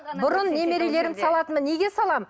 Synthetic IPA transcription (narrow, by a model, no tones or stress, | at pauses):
bʊɾʊnːe̞me̞ɾe̞le̞ɾɪnsɑlˠɑt̪ənməneɡʲe̞sɑlˠɑmə